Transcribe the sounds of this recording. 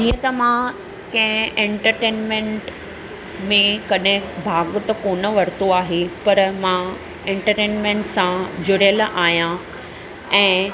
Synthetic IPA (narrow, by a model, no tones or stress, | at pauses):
d͡ʑiːə̃t̪ɐmã | kɐ̃ɦɪ̃ẽːɳʈəɾʈeːnmẽːɳʈ | mẽkɐɗɪ̃bʱaːɡt̪ɐkoːnəʋɐɾt̪oaːɦepɐɾmã | ẽːɳʈəɾʈeːnmẽɳʈsãd͡ʑʊɾjəlʔaːɦijã | ɛ̃ː